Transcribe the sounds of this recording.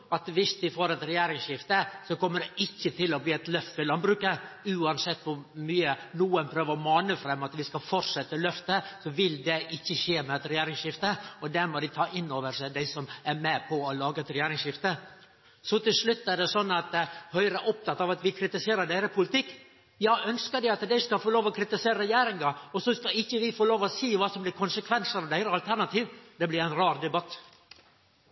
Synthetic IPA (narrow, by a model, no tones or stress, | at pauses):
ɑt̪ʋɪsd̪ɪfoːɾɛt̪ɾɛjæːɾɪŋsʂɪft̪əsɔkɔmːəɖɛʔɪçːət̪ʰɪlɔbliːɛt̪lœft̪ɪlɑmbɾʉːkəʉːɑnsɛt̪ːʋʊɾmyːənuːənpʰɾøːʋəɾɔmɑːnəfɾɛmːɑt̪ʋɪskɑfɔʈʂɛt̪ːəlœft̪əsɔʋɪld̪ɛʔɪçːəʃeːmɛɛt̪ɾɛjeːɾɪŋʂɪft̪əɔd̪æɾmɔd̪ɪt̪ʰɑːʔɪnːoːʋəɾʂæɪd̪æɪsɔmæɾmɛpʰɔːlɑːɡəɛt̪ɾɛjæːɾɪŋʂɪft̪ə | sɔt̪ʰɪlʂlʉt̪ːæɖɛsɔnːɑt̪hœʏɾəʔɔp̚t̪ɑt̪ːɑːʋɑt̪ʋɪkʰɾɪt̪ɪseːɾəɖ̪æɪɾəpʰʊlɪt̪ʰɪkː | jɑːʔœnskəɖ̪ɪɑt̪d̪æɪskɑfoːloːʋɔkʰɾɪt̪ɪseːɾəɾɛjeːɾɪŋɑɔsɔskɑɪçːəʋɪfoːloːʋɔsiːʋɑːsɔmblɪɾkʰʊnsəkʰʋɛnsəɾɑʋd̪æɪɾəɑlt̪ʰæɾnɑt̪ʰiːʋd̪ɛblɪɾæɪnɾɑːɾd̪ɛbɑt̪ː